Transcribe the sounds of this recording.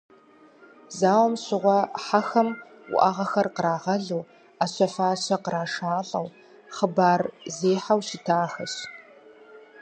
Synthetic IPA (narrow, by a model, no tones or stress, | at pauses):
zaːwmɕɪʁʷɔħaxɐm | wʊ̰ʔaʁɐxɐrqəɾaːʁɐɮɨw | aɕʷɐfaːɕɐqəɾaːʂaːɬʼɐ̰w | χəbaːrzeːħawɕɪtʰaːxɐɕ